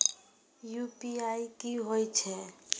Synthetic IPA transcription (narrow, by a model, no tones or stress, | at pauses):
jupiaikiɦojt͡ʃʰɛ